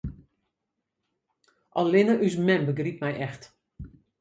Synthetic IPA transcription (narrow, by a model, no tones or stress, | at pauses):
ʔɔlɪnəʔysmɛmbəɡrip̚mɛjʔɛxt